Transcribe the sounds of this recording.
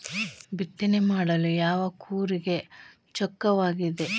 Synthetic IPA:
bit̪ːinemaːɽɐlujaːʋɐkʰuːɾiɡe̞ | t͡ʃɔkːɐʋaːɡid̪e̞

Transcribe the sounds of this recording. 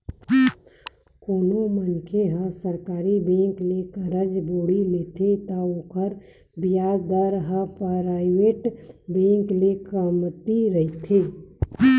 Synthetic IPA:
koːnomənkʰeɦə̃səɾkaːɾibẽːŋklekəɾəd͡ʒboːɽileːt̪ʰet̪aoːkəɾ | bɪjaːd͡ʒd̪aɾɦəpaɾaːɪʋeːʈbẽːŋklekəmt̪iɾəɦit̪ʰeː

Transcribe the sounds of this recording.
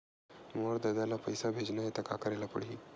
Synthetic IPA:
moɾd̪əd̪alapəjsabʱed͡ʒnajet̪əka̰kəɾajlapə̰ɽi

